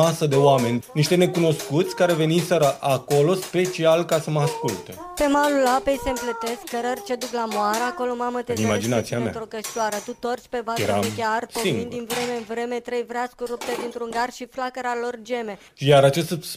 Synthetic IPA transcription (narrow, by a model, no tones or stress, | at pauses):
asəd̪e̞oame̞nʲniʃt̪e̞ne̞kuno̞skut̪sʲkaɾe̞ve̞nimsəɾəʔako̞lo̞spe̞t͡ʃialkasəməaskult̪ḛ | pe̞malulapejse̞mplət̪e̞skːəɾərt͡ʃe̞d̪uklamoaɾəako̞lo̞mamət̪eimad͡ʒinat̪siamea̰t̪ɾokəʃt̪laɾət̪ut̪o̞rt͡ʃʲpe̞vaɾa̰kʲarspoivŋɡindd̪invɾe̞meɨnvɾe̞me̞t̪ɾejvɾaskuɾup̚t̪ed̪int̪ɾuŋɡarʃiflakəɾalo̞rd͡ʒe̞me̞ | jaɾat͡ʃest̪